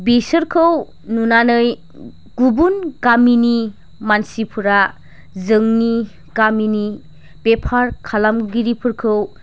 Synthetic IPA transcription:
bisəɾkʰɯw | nunanɯj | ɡ̥ubunkamini | mansipʰuɾa | zɯŋni | kamini | bepʰaɾkʰalamɡiɾipʰɯɾkʰɯw

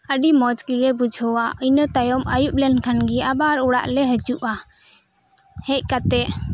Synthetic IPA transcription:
əɖimɔd͡ʒkilɛbud͡ʒʱɔwaʔənət̪ajɔməjuʔ̚lɛnkʰanɡiabaɾuɽa̰ʔlɛɦət͡ʃuʔa | hɛc̚kat̪ɛʔ

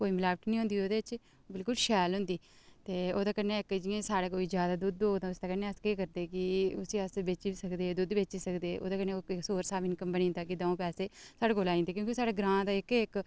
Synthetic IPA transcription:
koːiːmɪlaːʋəʈnĩːɦʊ̃nd̪iːoːd̪eːt͡ʃ | bɪlkʊlʃɛːlɦʊ̃nd̪iː | t̪eːoːd̪aːkənːeːɪkd͡ʒiẽːsaːɽeːkoːiːd͡ʒjaːd̪aːd̪ʊd̪oːt̪ãːʊsd̪aːkəneːəskeːkəɾd̪eːkɪʊsiəsbeːt͡ʃiːsəkd̪eːd̪ʊd̪beːt͡ʃiːsəkd̪eːʔo̰ːd̪aːkəneːksoːɾsaːbɪnkəmbənĩːnd̪aːkɪd̪ãːõːpɛːseːsaːɽeːkoːlaːĩːd̪eːkjõːkisaːɽeːɡɾãːd̪aːɪkɪk

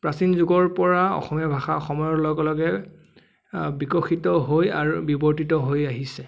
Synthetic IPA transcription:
pɹasinzuɡɔɹpɔɹaɔ̰xɔmijɔbʱaxaɔxɔmɔjɔɹlɔɡɔlɔɡɛ | bikɔxitɔɦoja̰ɹubibɔɹtitɔɦojaɦisɛ

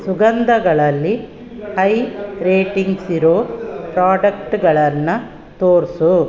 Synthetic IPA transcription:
suɡɐnd̪ɐɡɐɭɐlːi | hɐjɾeːʈiŋɡsiɾoːpɾaːɖɐkʈɡɐɭɐnːɐ | t̪oːɾsu

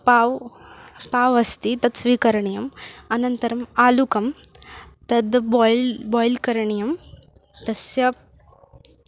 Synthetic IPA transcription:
paːʋ | paːʋɐst̪it̪ɐd̪sʋiːkɐɾɐɳijɐmɐnɐnt̪ɐɾɐmaːlukɐm | t̪ɐd̪bjlbɔːjlkɐɾɐɳijɐm | t̪ɐsjɐ

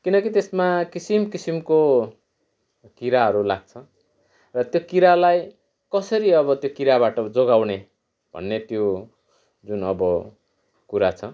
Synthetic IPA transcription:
kinʌkit̪esmakisimkisimko | kiɾaɦʌɾulaɡ̚t͡sʰʌ | rʌt̪jokiɾalaj | kʌsʌɾiʌβʌt̪jokiɾabaʈʌd͡zoɡawne | b̥ʱʌ̰nːet̪jo | d͡zunʌbʌ | kuɾat͡sʰʌ

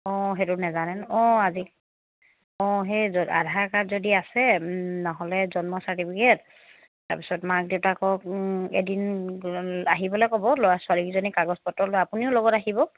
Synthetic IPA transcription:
ɔɦetunɛzanɛnɔ̃azik | ɔ̃ɦɛzɔa̰dʱaɹkatzodiasɛnaɦɔlɛzɔnmɔsaɹtipʰikɛt | ta̰ɹpi̥sɔtmak̚deʊtakɔkḛdin | aɦibɔlojkɔbɔlojaswalikizonikaɡɔspɔtːɔlojapuniʊlɔɡɔtaɦibɔ

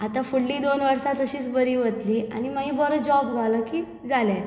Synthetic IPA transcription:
at̪ãfuɽːiːd̪onʋəɾsat̪əɕiːt͡sbəɾiːʋət̪liːa̰ñiməɦiːbɔɾəd͡ʑɔbɡʱaləkiː | d͡zalja

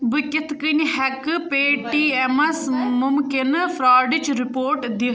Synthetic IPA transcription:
bəkɪt̪ʰkənhɛkpeːʈiːɛmɐsmʊmkɪnfʰɾaːɖɪt͡ʃɾɪpoːɾʈd̪i

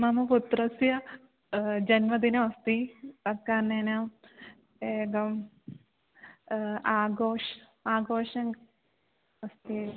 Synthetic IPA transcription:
mɐmɐput̪ɾɐsjɐ | d͡ʒɐnmɐd̪inɐʋɐst̪iɐkːaːnenɐm | eːɡɐm | aːɡoːʂ | aːɡoːʂɐŋ | ɐst̪i

